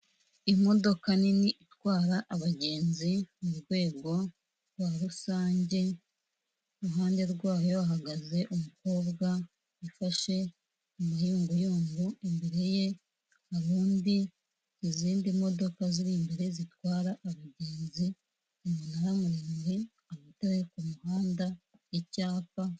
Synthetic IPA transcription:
imo̞do̞kaniniʔitwaːɾaʔaβaɟe̞ːnzimuɾɡwe̞ːɡo̞ | waɾusaːɲɟe̞ | ɾuɦaːnde̞ɾɡwaːjo̞aɦaɡaze̞ʔumuko̞ːbɡa | ifaʃe̞ | umajuːŋɡujuːŋɡuembe̞ɾe̞je̞ | haɾuːndi | iziːndimo̞do̞kaziɾimbeɾe̞zitwaːɾaʔːβaɟe̞ːnzi | imunaɾamuɾeːɲzi | aβatawekumuhaːndaicaːpa

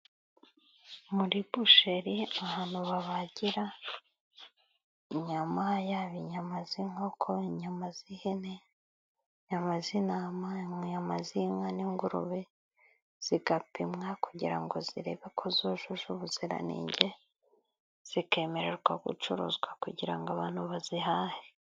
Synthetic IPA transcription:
muɾibuʃeɾiahaːn̥huβaβaɟiɾa | iɲamajaβiɲamaziŋho̞kʰo̞iɲamazihene | ɲamazinaːmaɲamazimŋaniŋɡuɾṵβe | z̥iɡapimŋakuɟiɾa̰ŋɡo̞ziɾe̞βe̞kʰo̞zoʒuʒuβuziɾa̰nḭːɲɟe̞ | z̥ike̞ːme̞ɾe̞ɾɡwaɡṵt͡ʃuɾṵzɡwakuɟiɾaŋɡaβaːn̥huβazihahe

